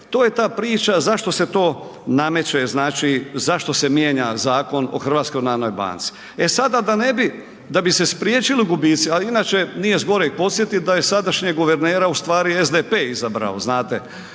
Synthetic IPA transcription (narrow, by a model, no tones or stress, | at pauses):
t̪oːje̞t̪aːpɾiːt͡ʃazaʃt̪o̞se̞t̪o̞ːname̞t͡ɕeznaːt͡ʃizaʃt̪o̞se̞mjeːɲazaːko̞no̞̰xr̩ʋat̪skojnaːnojba̰ːnt̪si̥ | esad̪ad̪anebi | d̪abisespɾjeːt͡ʃiliuɡubiːt̪sialiinaːt͡ʃenijezɡo̞ɾepo̞t̪sjet̪id̪aje̞sad̪aʃɲeɡoʋeɾneːɾaust̪ʋaːɾiezd̪epeːizabɾa̰o̰znaːt̪e